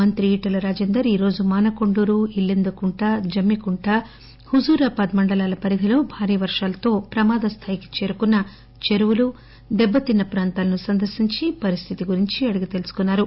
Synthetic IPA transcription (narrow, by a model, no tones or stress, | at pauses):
mɐnt̪ɾiiːʈɐlɐɾaːd͡ʒeːnd̪ɐɾiːɾo̞ːd͡ʒumaːnɐkoɳɖuːɾuilːind̪ukuɳʈaːd͡ʒɐmːikuɳʈaː | huzuːɾɐpɐd̪mɐɳɖɐlaːlɐpɐɾid̪ʱilo̞ːbʱaːɾiːʋɐɾʂaːlɐt̪o̞ːpɾɐmaːd̪ɐst̪ʰaːjiki̥t͡ʃeːɾukunːɐ | t͡ʃe̞ɾuʋulu | d̪ɛbːɐt̪inːɐpɾaːnt̪aːlɐnusɐnd̪ɐɾʃiɲt͡ʃipɐɾist̪ʰit̪iɡuɾiɲt͡ʃiɐɽiɡit̪e̞lusu̥kunːaːɾu